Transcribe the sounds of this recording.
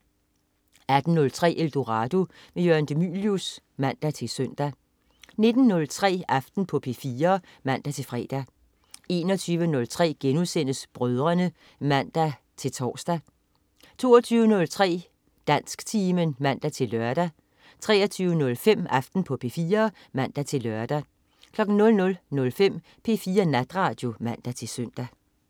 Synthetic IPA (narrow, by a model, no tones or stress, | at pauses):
æd̥n̩nɔ̽lt͡sʰʁɛ̰ːʔeld̥oʁɑd̥o | mejøɐnd̥emy̰ljus | mæn̰d̥æt͡sʰe̝lsœn̰d̥æ | ne̝d̥n̩ːɔ̽lt͡sʰʁɛ̰ːɑfd̥n̩pʰɒ̽pʰe̝fiːɐ | mæn̰d̥æt͡sʰe̝lfʁɛ̰ːd̥æ | e̝ːnɒt͡sʰyːʋənɔ̽lt͡sʰʁɛ̰ːɡ̥enusen̰əsb̥ʁœð̞ˠʁɐnə | mæn̰d̥æ | t͡sʰe̝lt͡sʰɒ̰ːsd̥æ | t͡sʰo̝ːɐt͡sʰyːʊənɔ̽lt͡sʰʁɛ̰ː | d̥æn̰sɡ̥t͡sʰiːmənmæn̰d̥æt͡sʰe̝lːɶɐd̥æ | t͡sʰʁɛːɐt͡sʰyːʊənɔ̽lfem̰ɑfd̥n̩pʰɒ̽pʰe̝fiːɐː | mæn̰d̥æt͡sʰe̝lɶɐd̥æ | kʰlɒ̽ɡ̥n̩nɔ̽lnɔ̽lnɔ̽lfem̰ | pʰe̝ːfiːɐnæd̥ʁɑ̈ːd̥jo̝mæn̰d̥æt͡sʰe̝søn̰d̥æ